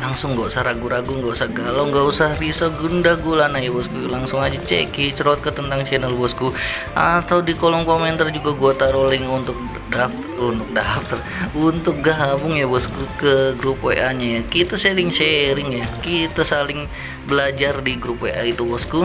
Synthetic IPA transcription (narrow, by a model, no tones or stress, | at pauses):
laŋsʊŋːɡausahɾaɡuɾaɡuŋɡausahɡalawŋɡausahrisoɡundaɡulanajabɔskulaŋsʊŋad͡ʒat͡ʃɛ̰kit͡ʃɾɔt̪̚kət̪ənt̪aŋt͡ʃɛnalbɔsku | ʔat̪awdikolɔŋkomɛnt̪ard͡ʒuɡaɡuat̪aɾolɛŋunt̪ʊk̚ | daf | unt̪ʊk̚daft̪ər | unt̪ʊk̚ɡaɦabʊŋjabɔskukəɡɾupoḛʔaɲajakit̪aseɾɪŋseɾɪŋjakit̪asalɪŋ | bəlad͡ʒardiɡɾupʔait̪ubɔsku